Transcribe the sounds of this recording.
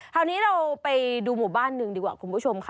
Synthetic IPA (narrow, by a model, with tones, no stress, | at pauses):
t̪ʰaː˧wniː˦˥ɾa˧wpa˧jduː˧muː˨˩baː˥˩nːɯ˧ŋdiː˧kwaː˨˩kʰu˧npʰuː˦˥˩t͡ɕʰo˧mkʰa˦˥